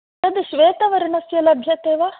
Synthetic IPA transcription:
ɐd̪iʃʋeːt̪ɐʋɐɾɐɳɐsjɐlɐbʱjɐt̪eːʋɐ

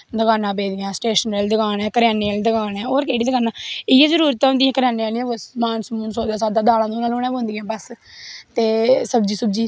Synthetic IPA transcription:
d̪əɡaːnãːbeːd̪jãːsʈeːʃənɾeːld̪əɡaːnɛːkəɾɪjaːneːaːlːd̪əɡaːnɛːoːɾkeːɽiːd̪əɡaːnaːɪjãːzəɾuːɾət̪ːãːɦʊ̃nd̪iːɛ̃ːkəɾjaːneːaːliɛ̃ːəsmaːnsmuːnsoːd̪aːsaːd̪aːd̪aːlãːd̪oːnaːlõːnɛ̃ːbõːnd̪iːãːbəst̪eːsəbd͡ʒiːsəb̚d͡ʒiː

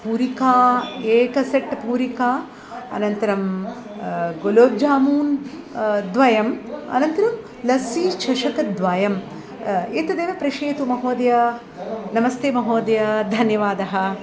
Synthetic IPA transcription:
puːɾikaːeːkɐseʈːpuːɾikaː | ɐ̰nɐnt̪ɐɾɐm | ɡoloːb̚d͡ʒaːmuːn | d̪ʋɐjɐmɐ̰nɐnt̪ɐɾɐm | lɐsiːt͡ʃɐʃɐkɐd̪ʋaːjɐm | int̪ɐd̪eːʋɐpɾɐʃeːt̪umɐɦoːd̪jɐ | nɐmɐst̪eːmɐɦoːd̪ɐjɐd̪ʱɐnjɐʋaːd̪ɐɦɐ

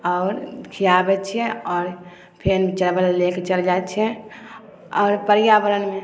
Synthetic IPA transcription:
ɔːɾkʰijabɛt͡ʃʰijɛ̃ɔːɾ | pʰent͡ʃəlbəllekʰt͡ʃəld͡ʒat͡ʃʰɛ̃ | ɔːɾpəɾijabəɾənme

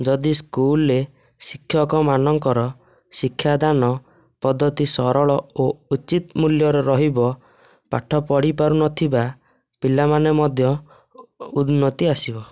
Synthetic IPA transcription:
d͡ʒɔd̪iskulɾe | sikʰːjɔkɔmanɔŋkɔɾɔ | sikʰːjad̪anɔ | pɔd̪ːɔt̪isɔɾɔɭɔout͡ʃit̪muljɔɾɔɾɔɦibɔ | pa̰ʈʰɔpɔɽipaɾunɔt̪ʰiba | pilamanemɔd̪ʱjɔ | ud̪nɔt̪iasibɔ

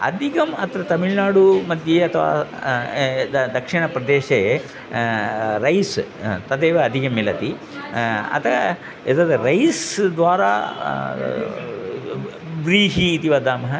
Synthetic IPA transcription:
ɐ̰d̪ʱikɐmɐt̪ɾɐt̪ɐmiɭnaːɽumɐd̪jeɐt̪ʰɐʋa̰ː | d̪d̪ɐkʂiɳɐpɾɐd̪eːʃee | ɾɐjst̪ɐd̪eːʋɐɐd̪ʱikɐmːilɐt̪i | ɐ̰t̪ʰɐ | ed̪ɐd̪ɐɾɐjsd̪ʋaːɾa̰ː | ʋɾiːɦiːt̪iʋɐd̪aːmɐɦɐ

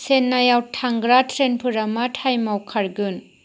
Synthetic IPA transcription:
senːajawtʰaŋɡɾatʰɾenpʰɯɾɐmatʰajmawkʰaɾɡɯn

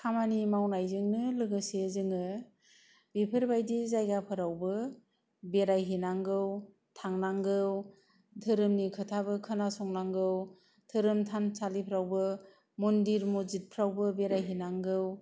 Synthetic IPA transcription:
kʰamanimawnajzɯŋnɯlɯɡɯsezɯŋɯ | bipʰɯɾbajdizajɡapʰɯɾawbɯ | beɾajɦinaŋɡɯw | tʰaŋnaŋɡɯw | tʰɯɾɯmnikʰɯtʰabɯkʰɯnasɔŋnaŋɡɯw | tʰɯɾɯmtʰansʰalipʰɾawbɯ | mɔndiɾmuzit̚pʰɾawbɯbeɾajɦinaŋɡɯw

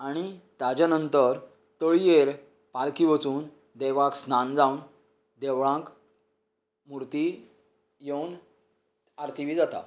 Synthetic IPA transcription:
aɽ̃it̪ad͡ʑanənt̪əɾ | t̪əɭijeɾ | palkiʋət͡suːn | d̪ɛʋaksnand͡zaun | d̪eʋɭãk | muɾt̪i | jewn | aɾt̪ʰiʋiːd͡zat̪a̰

